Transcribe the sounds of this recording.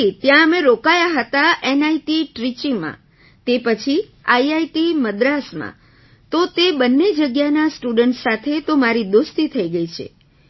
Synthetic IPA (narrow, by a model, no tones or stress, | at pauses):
it̪jãəmẽɾokajaɦət̪aʔenaiʈiʈɾit͡ʃimã̰ | t̪epət͡ʃʰiaiaiʈiməd̪ɾasmã̰ | t̪ot̪ebənːed͡ʒəɡjanasʈuɖəɳʈsat̪ʰet̪omaɾid̪ost̪it̪ʰəiɡəit͡ʃʰḛ